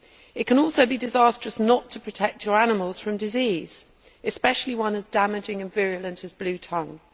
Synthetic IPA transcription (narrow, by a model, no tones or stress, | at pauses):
ɪʔ̚kʰə̃nɔˑlˠsəʊbidɪzɑˑstɹ̥əsnətʰəpʰɹ̥ətʰɛk̚t͡ʃəɹanɪməlˠz̥fɹə̃mdɪziːz̥ | ɪspɛʃəliwʌ̃nɪzdamɪd͡ʒɪ̃ŋə̃nvɪɹələ̃ntəzblʉːtʰʌ̃ŋ